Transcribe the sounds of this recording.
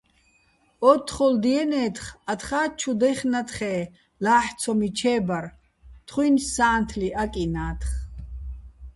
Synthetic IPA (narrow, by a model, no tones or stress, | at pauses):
ɔt̪ʰχɔld̪iɛnɛːt̪χat̪χaːt͡ʃʰud̪ɛχnat̪χɛː | laːħt͡sʰɔmit͡ʃʰɛːbaɾ | t̪ʰχwinsaːnt̪ʰliʔakʼinaːt̪ʰχ